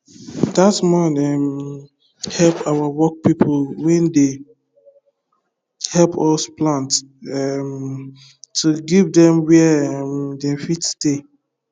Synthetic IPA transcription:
datmɔnɛm | hɛlpawawɔk̚pipʰolwɛ̃nde | hɛlpʰɔsplãntɛm | tuɡivdɛ̃mwɛmdɛ̃mfitste

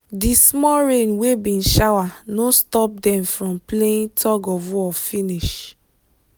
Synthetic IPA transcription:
dismɔɹẽnwebĩnʃawanostɔp̚dɛ̃mfɹɔ̃mpleĩntʰɔɡɔvuɔfĩniʃ

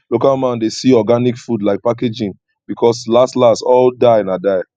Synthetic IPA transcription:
lokalmãndesiɔɡanikfudlaɪk̚paked͡ʒĩn | b̥ikʰɔslastlastɔldaɪnãdaɪ

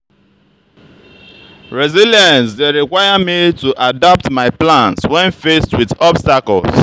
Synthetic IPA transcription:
ɹɛziljãnsdeɹikwajamituʔadap̚tmaɪplãnswɛ̃nfestwiðɔbstakɔls

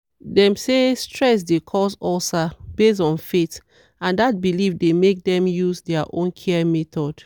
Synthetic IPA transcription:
dɛ̃msestɹɛs̬dekʰɔsɔlsab̥es̬ɔ̃nfet | ãndat̚bilifdemek̚dɛ̃mjuzdɛaʔõnkʰɛɛmɛtɔd̥

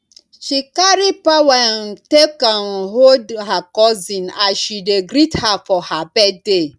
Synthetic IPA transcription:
ʃikaɾipawan̩tekanɦodɦakɔzĩnaʃideɡɾithafɔhabɛde

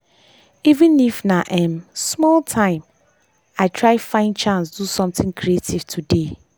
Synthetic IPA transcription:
ivɪ̃nifnaʔɛ̃msmɔltʰãɪ̃m | aɪtʰɹaɪfãɪ̃ndt͡ʃãnsd̥usɔ̃mtɪ̃ŋkʰɹietʰiv̥tʰude

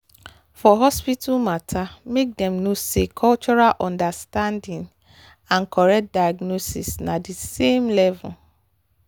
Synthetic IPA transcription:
fɔɦɔspitumatʰamek̚dɛ̃mnosekʰɔlt͡ʃɔɾalʔɔ̃ndastãndĩŋ | ãn̩kʰɔɾɛk̚t̚dajaɡnosḭsnadisemlɛvl

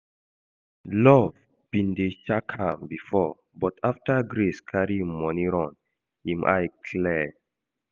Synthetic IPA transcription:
lɔv | b̥ĩndeʃakhãmbifɔ | bɔtʰaftaɡɾeskʰaɹimɔniɹɔ̃n | hĩmʔa̰jkʰlɛ

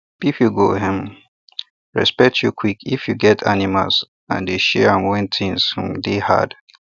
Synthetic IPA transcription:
pifjuɡoɦɛ̃m | ɹɛ̰spɛk̚tʰjukʰwikʰifjuɡɛtʰanima̰ls | ã̰ndeʃɛãmwɛ̃ntʰĩŋshũmdeha̰d̥

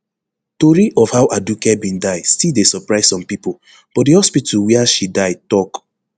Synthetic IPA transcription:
toɹiʔɔfhaʊʔadukɛbĩndaɪdstilˠdesɔpɹaɪssɔ̃mpipol | b̥ɔt̚dihɔspitʰuwɛəʃidaɪtɔk

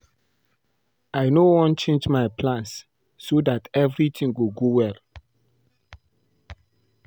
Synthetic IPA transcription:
ajnowɔ̃nt͡ʃẽnd͡ʒmajpʰlãnsː | odatɛvɹitʰĩŋɡuɡowɛl

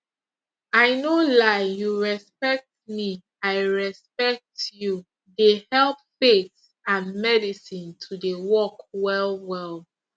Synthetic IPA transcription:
aɪnolaɪjuɹɛspɛk̚t̚mi | aɪɹɛspɛk̚tju | dehɛlˠp̚fets | ãnmɛdisĩntʰudewɔkwɛlwɛlˠ

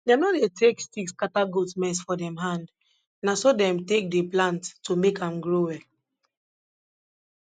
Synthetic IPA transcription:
dɛnodetʰekstikskataɡutmɛsfɔdɛ̃mɦãnd | nasodɛ̃mtek̚deplãntːomekãmɡɹowɛ

